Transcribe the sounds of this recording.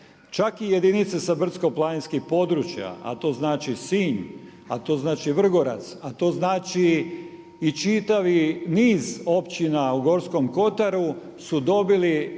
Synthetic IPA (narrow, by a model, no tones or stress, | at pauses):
t͡ʃakije̞d̪init̪sesabr̩t̪sko̞plˠaninskixpo̞d̪ɾuːt͡ʃja̰a̰t̪o̞ːznaːt͡ʃisiːɲ | at̪o̞ːznaːt͡ʃiʋr̩ɡo̞ɾa̰t̪sat̪o̞ːznaːt͡ʃiː | t͡ʃit̪aʋiniːzo̞pt͡ɕinauɡo̞ɾsko̞mko̞t̪aɾu | sud̪o̞bili